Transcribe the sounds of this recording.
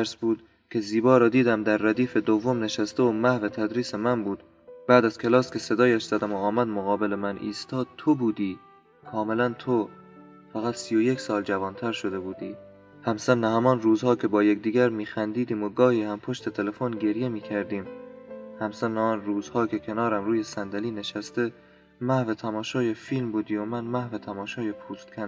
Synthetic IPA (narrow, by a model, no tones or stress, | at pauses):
æɾsbuːd̪̥ | kʲʰe̞ziːbɒːɾɒːd̪iːd̪æmd̪æɾːæd̪iːfe̞d̪ovːo̞mne̞ʃæst̪eomæhvet̪ʰæd̪ɾiːse̞mænbuːd̪̥ | bæːd̪æz̥kʲʰelɒːskʲʰe̞se̞d̪ɒːjæʃz̥æd̪æmoɒːmæd̪moɣɒːbe̞le̞mænḭːst̪ɒːd̪̥̚t̪ʰobuːd̪iː | kʰɒːme̞lænt̪ʰo | fæɣæt̪sijoje̞kʰʲsɒːld͡ʒævɒːnt̪ʰæɾʃo̞d̪e̞buːd̪ḭː | hæmsænːæhæmɒːnruːzhɒːcʰe̞bɒːjekd̪iːɡæɾmiːxænd̪iːd̪iːmoɡɒːhiːhæmpʰo̞ʃt̪e̞t̪ʰe̞lefonɟe̞ɾje̞miːkʰæɾd̪iːmhæmsænːæɒːnɾuːzhɒːkʰʲe̞kʰe̞nɒːɾæmɾuːjesænd̪æliːne̞ʃæst̪e̞ | mæhvet̪ʰæmɒːʃɒːjefiːlmbuːd̪iːjomænmæhvet̪ʰæmɒːʃɒːjepʰuːst̪kʰʲæn